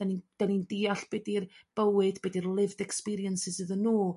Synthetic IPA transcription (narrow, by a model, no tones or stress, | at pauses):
ɛnid̥ɛnindiːaɬb̥ɛdirb̥əwɨdbɛdirlˠɪvdɛkspiɾiənsɪsɨðənːuː